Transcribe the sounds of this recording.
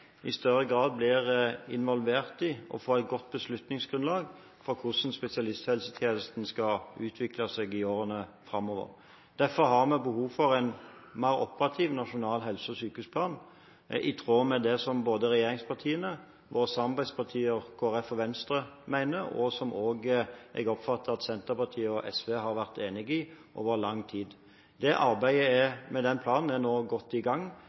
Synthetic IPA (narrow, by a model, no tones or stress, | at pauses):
ɪst̪œʁəɡʁɑːd̪̚blɪʁɪnʋɔlʋeːʁt̪ɪɔ̰foːæɪt̪̚ɡɔt̪̚ːbəslʉt̪nɪŋsɡ̥ɾʁʉnlɑːɡ | fɔɾkʰʊsn̩spɛsɪɑlɪst̪hɛlsət̪ʰjeːnəst̪n̩skɑʉːt̪ʰʋɪklɑsɛɡɪoːɾənəfʁɑmɔʋə̰ʁ | d̪̥æfɔɾɦɑʁmɛbəhuːfɔʁæɪnmæɪɾɔ̰pəʁɑt̪ʰiːʋnɑʂʊnɑːlɦɛlsəɔsyːkʉspʰlɑːn | ʔɪt̪ʰʁoːmɛd̪ɛsɔmboːd̪əʁɛjeːɾɪŋspʰɑʁt̪ʰiːənə | ʋoːɾəsɑmɑʁbæɪd̪spʰɑʁt̪ʰiːəkʰoːæʁɛfɔʋɛnst̪ɾəmæɪnəɾɔ̰sɔmʔoːɡʔɛ̰ɡɔpfɑt̪ːəɑt̪sɛnt̪əpɑt̪ʰiːəɔʔɛsʋeɦɑɾʋæʁt̪eːnɪɡɪʔo̰ːʋəʁlɑŋːt̪ʰiːd̪ | d̪̥ɛʔɑɾbæɪəɛmɛd̪ɛnpʰlɑːnn̩ɛnoːɡɔt̪ːɪɡɑŋː